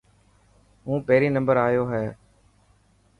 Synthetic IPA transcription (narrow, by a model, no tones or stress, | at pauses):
ɦũːpeːɾiːnəmbəɾaːjoːɦɛː